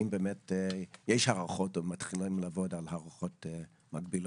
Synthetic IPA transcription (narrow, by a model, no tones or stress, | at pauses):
imbeːmetjeʃhaʁaχo̞tomatχilimlavo̞dalhaʁaχo̞te | maɡbilo